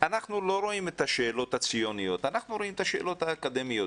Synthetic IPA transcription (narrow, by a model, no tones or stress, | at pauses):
anaχnulo̞ɾo̞ime̞t̪aʃe̞ːlo̞t̪hat͡sijo̞nijo̞t̪anaχnuɾo̞imet̪aʃḛːlo̞t̪haːkad̪emijo̞